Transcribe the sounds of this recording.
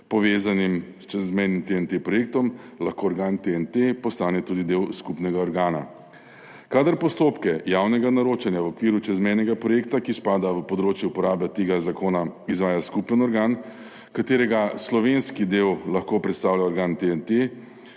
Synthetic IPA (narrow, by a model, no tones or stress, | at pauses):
pɔʋeːzanimst͡ʃɛzmɛjnimt̪eɛnt̪epɾɔjeːk̚t̪ɔm | laxkoːɔɾɡaːnt̪eɛnt̪epɔst̪aːnɛt̪uːd̪id̪ewskupnɛɡaɔɾɡaːna̰ | kaːd̪əɾpɔst̪oːpkɛjaːwnɛɡanaɾoːt͡ʃanjaʋɔkʋiːɾut͡ʃɛzmɛjnɛɡapɾɔjeːkt̪akispaːd̪aʋəpɔd̪ɾoːt͡ʃjɛupɔɾaːbɛt̪eːɡazakoːnaizʋaːjaskupənɔɾɡaːn | kat̪eːɾɛɡaslɔʋenskid̪ewlaxkoːpɾɛt̪st̪aːwljaɔɾɡaːnt̪eɛnt̪e